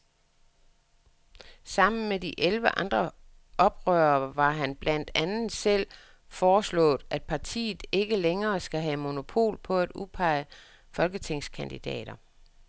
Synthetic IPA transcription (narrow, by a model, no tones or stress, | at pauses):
sɑ̈m̰n̩mediʔelʋəʔɑ̈nd̥ʁɐ | ʔɒ̽b̥ʁœːɐʋɑ̈ɦænb̥læn̰d̥ænð̩ˠsel̰ | fɒːslɔ̰̽ːð̩ˠæd̥pʰɑ̈t͡sʰḭːð̩ˠe̝ɡ̥əleŋɐːsɡ̥æɦɛmo̝no̝pʰo̝̰ːlpʰɒ̽æd̥upʰɑ̈ɪə | fɒ̽lɡ̥ət͡sʰe̝ŋ̰skʰænd̥id̥ɛ̰ːɾ̥ɐ